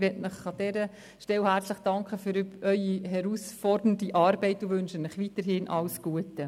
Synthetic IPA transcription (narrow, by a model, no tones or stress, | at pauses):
ʋɛtnəχɑdɛɾə | ʃtɛwhæɾt͡sləχd̥ɑŋkχəfyɾyœʏiɦɛɾuːsfɔɾdəndiʔɑːɾbɛɪtuvønʃənɪχʋitəɾɦɪnʔɑ̰wsɡ̥uətə